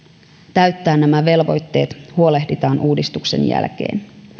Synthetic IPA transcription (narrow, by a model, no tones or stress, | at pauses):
t̪æɥt̪ːæːnːæmæʋe̞lʋo̞̰jt̪ːe̞ːt̪huo̞le̞hdit̪ɑːnʔuːdist̪ukse̞̰njæ̰lk̟e̞̰ːn